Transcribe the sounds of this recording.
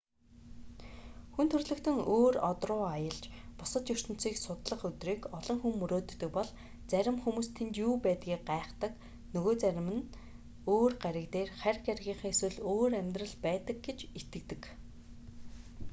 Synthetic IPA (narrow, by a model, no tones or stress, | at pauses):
xunt̪ʰɵrɮɵ̆kt̪ʰɵ̆ŋoːrɔt̪rʊːajə̆ɮt͡ɕpʊsə̆t̪jɵr̥t̪ɵ̆n̥t͡siːksʊt̪ɮə̆χɵt̪riːkɔɮɞ̆ŋxumːɵɾoːt̪ːɵ̆k̚pɔɮ | t͡sæɾʲɪ̆mxumuːst̪ʰent̪juːpæːt̪ɡiːk̚ɢaːχt̪ə̆k | nɵɣoːt͡sæɾʲɪ̆mɘ̆n | oːrɢæɾʲə̆kt̪eːrχærɡæɾʲɣʲiːɴχiŋeswɘ̆ɮoːɾæmʲt̪rə̆ɮpæːt̪ə̆k̚ɡet͡ɕet̪ɘ̆k̚t̪ɘ̆k